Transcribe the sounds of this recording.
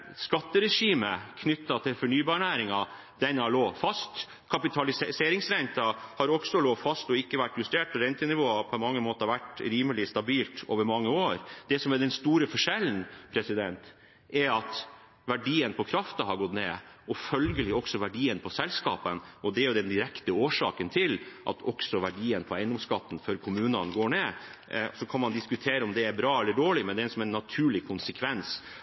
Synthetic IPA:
skɑt̪ːəɾɛʂiːməkʰnʏt̪ːɑt̪ʰɪlfɔɳyːbɑːɳæːɾɪŋɑ | d̪̥ɛnːəhɑɭoːfɑst̪ | kʰɑpɪt̪ʰɑlɪseːɾɪŋsɾænt̪ɑhɑɾɔksɔloːfɑst̪ɔɪkːəʋæʈːjʉst̪eːʈ̚pʰɔɾɛnt̪ənɪʋoːɑpʰɔɛnmɑŋːəmoːt̪əɑʋæʈɾiːməlɪst̪ɑbiːlt̪o̰ːʋəɾmɑŋːəoːɾd̪̥ɛsɔmɛd̪ɛnst̪uːɾəfɔʂɛlːn̩pʰɾɛsɪd̪ɛnt̪ | ɛɾɑt̪ | ʋæɖiːənpʰɔkʰɾɑft̪ɑɦɑɾɡɔt̪neːʔɔfœlɡəlɪɔksɔʋæɖiːənpʰɔsɛlskɑ̰ːpənʔɔd̪ɛæɾjʊd̪ɛnd̪ɪɾɛkt̪əoːʂɑ̰ːkənt̪ʰɪlʔɑ̰t̪ʰɔksɔʋæɖiːənpʰɔæɪnd̪ɔmskɑt̪ːn̩fœɾkʰʊmʉːnɑnɡoːɳeːsɔkʰɑnmɑnd̪ɪskʉt̪ʰeːɾəɔmd̪ɛæɾbɾɑːɛlːəɖoːɭɪmɛnd̪ɛsɔmɛnːɑt̪ʰʉːɭɪkʰʊnsəkʰʋɛns

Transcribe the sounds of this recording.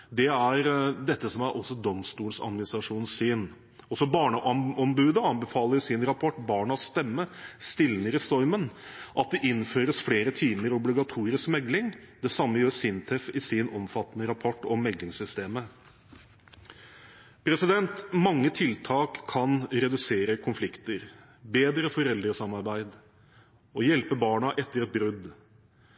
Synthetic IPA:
d̪ɛæɾd̪ɛt̪ːəsɔmæɾʔɔsːɔd̪ɔmst̪uːlsɑ̰d̪mɪnɪst̪ɾɑʂuːnsyːn | ɔsɔbɑːɳəʔɑɔmbʉːd̪əɑnbəfɑːləɾʊsɪnɾɑpʰɔʈːbɑːɳɑst̪ɛmːəst̪ɪlnəɾɪst̪ɔɾmənʔɑt̪̚d̪ɛʔɪnːføːɾəsfleːɾət̪ʰiːməɾɔblɪɡɑt̪ʰuːɾɪskmɛɡlɪŋd̪ɛsɑmːəjøːɾsɪnt̪ʰɛfɪsɪnɔmfɑt̪ːənəɾɑpʰɔʈːɔmːɛɡlɪŋsʏst̪eːmə | pʰɾɛsɪd̪ɛnt̪mɑŋːət̪ʰɪlt̪ʰɑːkʰːɑnɾɛd̪ʉseːɾəkʰʊnflɪkt̪əɾ | beːd̪ɾəfɔɾɛld̪ɾəsɑmɑɾbæɪd̪ | ɔjɛlpəbɑːɳɑʔɛt̪ːəɾɛt̪̚bɾʉd̪

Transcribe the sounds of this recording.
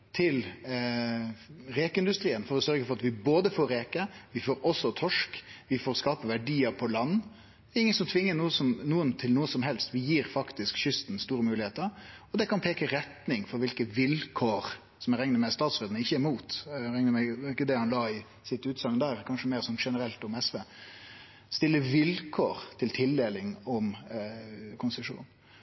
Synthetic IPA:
t̪ʰɪl | ɾeːkəɪnd̪ʉst̪ɾiːənfɔɾɔsœɾɡəfɔɾɑt̪ʋɪboːd̪əfoːɾeːkəʋɪfoːɾɔsːɔt̪ʰɔʂkʋɪfoːɾskɑːpəʋæɖiːəɾpʰɔlɑnː | ɪŋːənsɔmt̪ʰʋɪŋːənuːəsɔmnuːənt̪ʰɪlnuːəsɔmɦɛlst̪ʋɪjiːɾfɑkt̪ɪskɕʏst̪n̩st̪uːɾəmʉːlɪheːt̪əɾɔd̪ɛkɑnpʰeːkəɾɛt̪nɪŋfɔɾʋɪlkəʋɪlkʰoːɾ | sɔmɛɾɛŋnəmɛst̪ɑːt̪sʋeːd̪nəɪçːəæɾmuːt̪ɾɛŋnəmɛɪkːəd̪ɛhɑnlɑːɪ | sɪt̪ʉːt̪sɑŋd̪æːɾkʰɑnʂəmeːɾsɔnʂɛnəɾɛlt̪ɔmɛsʋeː | st̪ɪlːəʋɪlkʰoːɾt̪ʰɪlt̪ʰɪld̪eːlɪŋɔm | kʰʊnst̪ɪʂṵːn

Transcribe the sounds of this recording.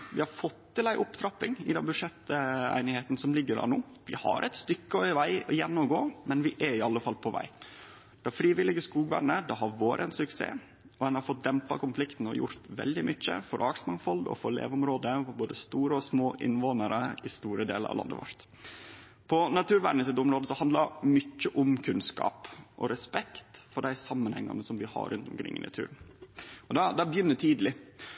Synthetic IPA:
ʋɪhɑɾfɔt̪ːɪlæɪʔʊpt̪ʰɾɑpːɪŋɪd̪ɛnbʉʂɛt̪ːæ̰ɪnɪheːt̪nsɔmlɪɡːəɾɑ̰nuː | ʋɪhɑ̰ɾʔɛɪt̪st̪ʏkːəœʏəʋæɪɔjɛnːɔmɡoːmɛnʋɪʔæɾɪɑlːəfɑlpʰɔʋæ̰ɪ | d̪̥ɛfɾiːʋɪlɪɡəskuːɡʋæ̰ɾɳəd̪ɑɦɑɾʋoːɾəɛnsʉksḛː | ɔɛnhɑɾfɔt̪̚d̪ɛmpɑ̰kʊnflɪkt̪n̩ɔ̰jʊ̰ɾt̪ʋɛ̰ld̪ɪmʔʏçːə̰fɔɾʔɑksəmɑŋfɔlɔ̰fɔɾlḛːʋʊmɾoːd̪əfɔboːd̪əst̪uːɾəɔsmoːʔɪnːʋoːnəɾəɪst̪uːɾəd̪eːlə̰ɾɑ̰ʋlɑ̰nd̪ə̰ʋɑ̰ɾt̪ | pʰɔnɑt̪ʰʉːɾʋæːɖnəs̬ɪt̪ːʊmɾoːd̪əsɔhɑnd̪lɑmʏçːəʔʊmkʰʉnskɑ̰ːpʔɔ̰ɾɛspɛkt̪fɔɖæɪsɑmːənhɛŋːɑ̰nəsɔmʋɪhɑ̰ɾʉnt̪ɔmkʰɾɪ̰ŋːɪ̰nɑ̰t̪ʰʉ̰ːɾnɔd̪ɑd̪ɑbəjʏnːət̪ʰiːd̪lɪ

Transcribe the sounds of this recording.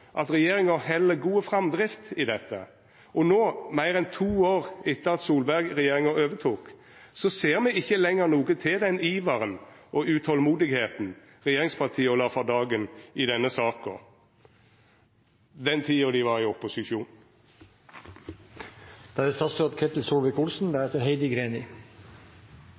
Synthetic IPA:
ʔɑt̪ʁɛjeːʁɪŋəhɛlːəɡuːəfʁɑmd̪ʁɪft̪ɪd̪ɛt̪ːə̰ | ɔnoːmæɪʁɛnt̪ʰuːoːʁɪt̪ːəʁɑt̪suːlbæɡʁɛjeːʁɪŋəøːʋət̪ʰuːk | sɔseːʁmɛɪçːəlɛŋəʁnuːɡət̪ʰɪld̪ɛniːʋɑʁənʔɔʉt̪ʰhɔlmuːd̪ɪɡheːt̪n̩ | ʁɛjeːʁɪŋspʰɑʁt̪ʰiːəɔlɑːfɔd̪ɑːɡənɪd̪ɛnːəsɑːkɔ̰ | d̪ɛnt̪ʰiːɔd̪ɪʋɑʁɪɔpʊsɪʃuːn | d̪̥æɛst̪ɑst̪əɑt̪kʰɛt̪l̩suːlʋɪkʊlsn̩bæːɾɛt̪əɾɦeɪd̪ɪɡɾeːnɪ

